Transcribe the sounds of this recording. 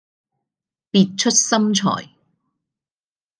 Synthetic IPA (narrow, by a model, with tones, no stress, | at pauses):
piː˨t̚t͡ʃʰɵ˥t̚sɐ˥mt͡ʃʰɔ̰ː˨˩j